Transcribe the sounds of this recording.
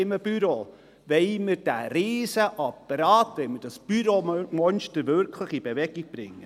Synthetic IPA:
ɪməb̥yɾo | ʋeɪməɾd̥æɾiːsəʔɑpːəɾɑːt̪ʋɛɪməɾd̥ɑsb̥yɾomɔnʃtəɾvʏɾkʰləχibevɛɡ̥iɡ̥̚b̥ɾɪ̰ŋːə

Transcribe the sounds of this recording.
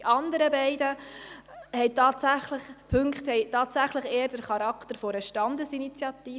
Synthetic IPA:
ʔɑndəɾəbɛɪdə | hɛɪtɑːt̪sæχləχpʰɵŋkχthɛɪjtɑːtsæχləχeːəɾd̥əɾχɑɾɑkʰt̪əɾfoɾəʃtɑndəsinit͡sjɑt̪iː

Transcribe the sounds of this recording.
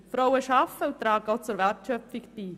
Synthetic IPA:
fɾɔwəʃɑfəut̪ɾɑːɡəot͡sʊɾʋæɾtʃœpfiktiː

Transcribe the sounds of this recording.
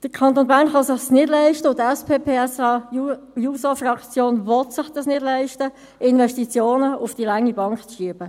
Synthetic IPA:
d̥əkʰɑnt̪oːnbæːʁnχɑsɪχsnɪdlɛɪʃtəʊtɛspʰeːpʰeːɛsɑjusofrɑkt͡sjoːnvɔt̪sɪχd̥ɑsnɪdlɛɪʃtə | ɪnvɛʃtit͡sjoːnəʊfd̥ilaŋːibɑŋkt͡sʃiəb̥ə

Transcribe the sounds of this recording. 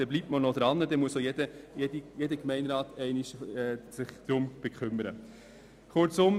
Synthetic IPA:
d̥ɛblip̚tmənɔd̥ɾɑnːədɛmuəsojɛd̥əjedijedəkmɛɪnɾɑːtɛɪniʃɛːsɪχd̥ɾʊmb̥ekʰχʏməɾə̰ | χʊɾt͡sʊm

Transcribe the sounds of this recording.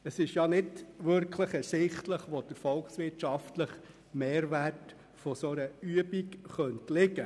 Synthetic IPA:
əsɪʃjɑnɪdʋʏɾkʰləχɛsɪχtləχʋod̥əɾfɔlksʋɪtʃɑftləχ | meːɾʋæɾt | fɔsoɾəyəbikχœntlɪɡə

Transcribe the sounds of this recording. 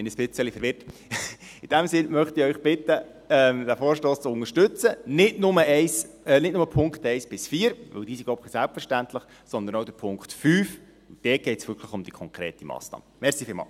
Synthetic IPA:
ɛnəspɪt͡səlifəɾʋɪrt | ɪd̥æmsɪnmœχtɪœʏχb̥ɪt̪ə | ɛmd̪æfoːɾʃtoːst͡sʊŋəʃtʏt͡sənɪtnʊməʔɛɪs | ɛnɪt̚nʊməpʰʊŋkχtɛɪsb̥ɪsfiːɾʋɪ̰ld̥̪iːsiɡlɔpχisælpfəɾʃtænt̪ləχ | sɔnd̪ənoʊd̥əɾpʰʊŋkt̪fyːf | ʊd̥ɛɡ̥ɛɪtsʋʏɾkʰləχʊmd̥ikʰɔŋkɾḛːtimɑ̰ːsnɑ̰ːməmɛɾsiːfɪːlmɑ̰ːl

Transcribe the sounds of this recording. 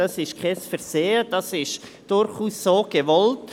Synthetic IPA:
ɑsɪʃkʰɛsfɛɾseːəd̥ɑsɪʃ | d̥ʊɾχuːsːoːɡ̥evɔlt

